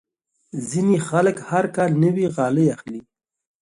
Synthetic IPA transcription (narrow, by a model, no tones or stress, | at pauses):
zinixaləkhaɾkɑlnəwiɣɑləjaxli